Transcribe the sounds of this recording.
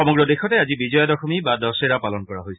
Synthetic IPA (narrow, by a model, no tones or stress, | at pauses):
ɔmɔɡɹɔdexɔtɛazibizɔjadɔxɔmibadɔseɹapalɔnkɔɹaɦojs